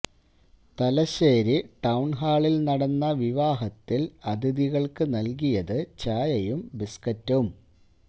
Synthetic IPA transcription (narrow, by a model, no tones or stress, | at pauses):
t̪ɐlɐɕeːɾiʈɐwɳɦaːɭilnɐɽɐnːɐʋiʋaːɦɐt̪ːilɐd̪iðiɣɐɭkɨnɐlk̬ijɐðɨt͡ɕaːjɐjumbiskɐtːum